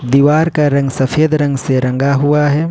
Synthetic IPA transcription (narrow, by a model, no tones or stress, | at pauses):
d̪iːʋaːɾkaɾɐ̃ŋɡsɐfʰeːd̪ɾɐ̃ŋɡseɾɐ̃ŋɡaɦʊaɦɛː